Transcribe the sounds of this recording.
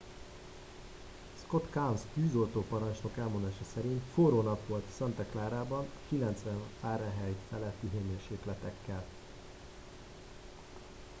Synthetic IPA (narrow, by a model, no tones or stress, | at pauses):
sko̞t̪kamsk̪yːzo̞lt̪oːpɒɾɒnt͡ʃno̞kɛlmond̪aːʃɒsɛɾint̪foːɾoːnɒpʋo̞lt̪sɒnt̪ɛklaːɾaːbɒnkilɛnt̪sʋɛɱfaːɾɛɦɛjfɛlɛt̪ːiɦeːmeːrʃeːklɛt̪ɛkːɛl